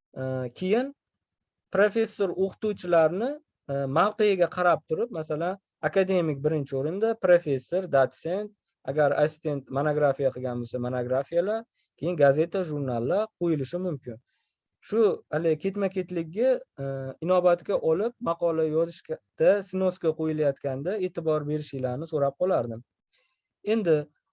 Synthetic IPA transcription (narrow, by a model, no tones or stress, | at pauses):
kʲʰe̞jɪn | pɾofe̞sːoɾoqʰt̪uwt͡ʃʰɪlaɾnɪ | mawqejaɡʲaqʰɑɾap̚t̪ʰʊɾɪp̚masalan | akad̪e̞mɪkʲbɪɾɪnt͡ʃʰɪoɾɪnd̪apɾofe̞sːo̞ɾd̪at̪se̞nt̪̚ | aɡʲaɾa̰sɪ̥st̪e̞nt̪monoɡɾafijaqʰɨɡʲanbosamonoɡɾafijalaɾ | kʲʰejɪnɡaze̞t̪ʰaʒuɾnalˠːaɾqʰojɪlɪʃɪmʊmkʲɪn | ʃʊalɪkʲʰe̞t̪makʲʰe̞t̪lɪɡʲːɪ | ɪnɒbat̪kʲaʔɒlɪp̚mɑqɒlajɒzɪʃʲd̪̥asɪnoskaqojɪlajat̪kʲand̪ae̞ːt̪ʰɪbɒɾbe̞ɾɪʃɪlaɾnɪsoɾap̚qʰɒlaɾd̪ɪm | e̞nd̪ɪ